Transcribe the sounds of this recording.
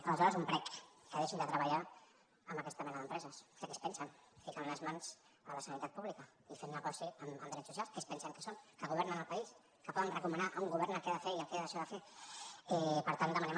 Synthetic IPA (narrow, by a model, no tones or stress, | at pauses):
ələzɔɾəzumpɾɛkkəðeʃind̪ət̪ɾəβɐʎa | əmbəkɛst̪əmɛnəðəmpɾɛzəsd̪əkespɛnsənfikanləzmanz | ələsənit̪at̪̚puβlikə | ifennəɣɔsiəməmd̪ɾɛsːusialˠskespɛnsəŋkə̥sonkəɣuβ̞ɛɾnənəlˠpɐis | kəpɔðənrəkumənaʔuŋɡuβɛɾnəkɛaðəfeiəlkeaðəʃɔðəfe | ɛpəɾt̪and̪əmənɛm